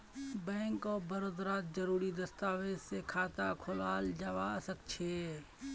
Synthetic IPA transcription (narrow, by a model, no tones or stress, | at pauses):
bɛ̃ːŋkɔːɾbəɾod̪ɾaːt̪̚d͡ʒəɾuːɾid̪ɐst̪aːwed͡ʒsekʰaːt̪akʰʊlaːld͡ʒawasəkt͡ʃʰeː